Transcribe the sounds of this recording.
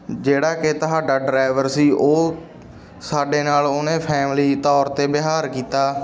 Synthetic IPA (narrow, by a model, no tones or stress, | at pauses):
d͡ʒeːɽaːkɪt̪əɦaːɖaːɖɾaːɪʋəɾsiːʔoː | saːɖeːnaːloːnẽːpʰɛːmliːt̪ɔːɾt̪eːbɪɦaːɾkiːt̪aː